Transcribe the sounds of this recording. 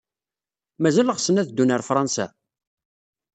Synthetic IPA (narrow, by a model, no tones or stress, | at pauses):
mæzæləʁsənæðd̪ːunəɾfɾˤɑnsæ̰